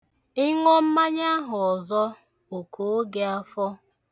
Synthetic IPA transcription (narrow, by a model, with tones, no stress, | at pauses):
ɪ˦ŋɔ˦m̩˦ma˦ɲa˦ɦʊ˨ɔ˨zɔ˦ | o˨kʰo˨o˦ɡe˦a˦fɔ˦